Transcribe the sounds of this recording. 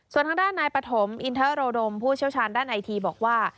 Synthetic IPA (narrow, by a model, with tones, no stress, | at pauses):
su˨˩ənt̪ʰa˧ŋdaː˥˩nːaː˧jpɾa˧t̪ʰo˩˦mʔi˧nt̪ʰɤː˦˥ɾoː˧do˧mpʰuː˥˩t͡ɕʰi˥˩ət͡ɕʰaː˧ndaː˥˩nʔa˧jt̪ʰiː˧bɔː˨˩k̚waː˥˩